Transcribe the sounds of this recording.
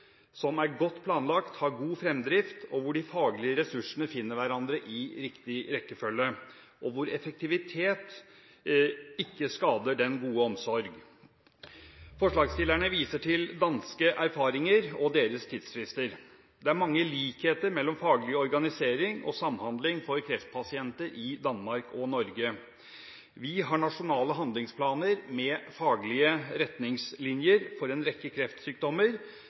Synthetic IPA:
sɔmæɾɡɔt̪ːpʰlɑːnlɑkt̪hɑɾɡuːfɾɛmd̪ɾɪft̪ɔʋʊɖɪfɑːɡlɪəɾɛsʉʂənəfɪnːəɾʋæɾɑnd̪ɾəʔɪɾɪkt̪ɪɾɛkːəfœlːə | ʔɔʋʊɾɛfɛk̚t̪ʰɪʋɪt̪ʰeːt̪ | ɪkːəskɑːd̪əɖɛnɡuːəɔmsɔɾɡ | fɔʂɭɑːɡst̪ɪlæɳəʋiːsəʈʰɪld̪ɑnskəʔæɾfɑːɾɪŋəɾɔd̪eːɾəst̪ʰɪd̪sfɾɪst̪əɾ | d̪ɛæɾmɑŋːəliːkheːt̪əɾmɛlːɔmfɑːɡlɪəɔɾɡɑnɪseːɾɪŋɔ̰sɑmːhɑnd̪lɪŋfɔɾkʰɾɛft̪̚pʰɑsɪɛnt̪əɾɪd̪ɑnmɑɾkɔnɔɾɡə | ʋɪɦɑɳɑʂʊnɑːləɦɑnd̪lɪŋspʰlɑːnəɾmɛfɑːɡlɪəɾɛt̪nɪŋslɪnjəɾfɔɾɛnɾɛkːəkʰɾɛft̪syːk̚d̪ɔmːəɾ

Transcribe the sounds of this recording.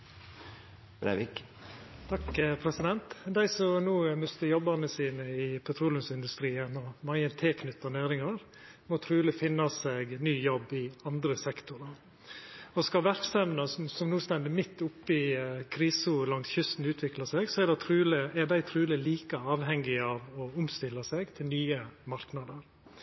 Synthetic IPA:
b̥ɾæ̰ʋɪk | t̪ʰɑkpʰɾɛsɪd̪ɛnt̪d̪æɪsɔmnuːmœst̪əjɔbːəɾnəsiːnəɪpʰɛt̪ʰɾuːlənsɪnd̪ʉst̪ɾiːənɔmɑənt̪ʰeːkʰnʏt̪ːɑnæːɾɪŋɑɾ | mɔt̪ʰɾʉːləfɪnːɑsɛɡnyːjɔbːɪɑnd̪ɾəsɛkt̪ʊɾɑ | ɔskɑʋæɾksɛmnɑsɔsɔmnuːst̪ɛnd̪ɪmɪt̪ːʊpːəɪkʰɾiːsuːlɑŋsçʏst̪n̩ʉːt̪ʰʋɪklɑsɛɡsɔɛd̪ɛt̪ʰɾʉːləɛd̪æɪt̪ʰɾʉːləliːkəɑːʋɦɛŋːɪɑʋɔʊmst̪ɪlːɑsɛɡt̪ʰɪlnyːəmɑɾknɑd̪əɾ

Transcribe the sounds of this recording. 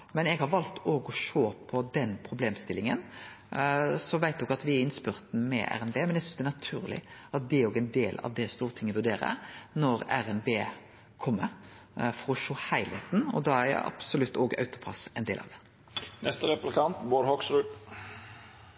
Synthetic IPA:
mɛnɛɡhɑɾʋɑlt̪ʰoːɡɔʃoːpʰɔd̪ɛnpʰɾʊbleːmst̪ɪlːɪŋən | sɔʋæɪt̪oːɡɑt̪ʋɪæɾɪnspʏɾt̪nəmɛ̰ʔæ̰ɾɛnbeːmɛnjɛæsʏnsd̪ɛænɑt̪ʰʉ̰ːɾlɪ̰ʔɑt̪̚d̪ɛæɾoːɡɛnd̪eːlɑ̰ʋd̪ɛst̪uːɾt̪ʰɪŋːɛʋʉɾd̪eːɾə̰nɔɾæɾɛnbeː | kʰɔmːə | fɔɾɔʃoːhæɪlheːt̪n̩ɔ̰d̪ɑæɑ̰b̥sɔlʉt̪ːoːɡɑ̰ʉt̪ʊ̥pʰɑ̰sɛnd̪eːlɑ̰ʋd̪ɛ | nʔɛst̪əɾɛplɪkʰɑnt̪boːɾhɔksɾʉːt̪

